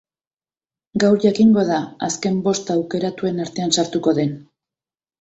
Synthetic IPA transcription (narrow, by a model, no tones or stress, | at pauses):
ɡawɾʝakiŋɡo̞ð̞aaske̞mbo̞st̪awke̞ɾat̪ue̞naɾt̪e̞ansaɾt̪uko̞ðe̞n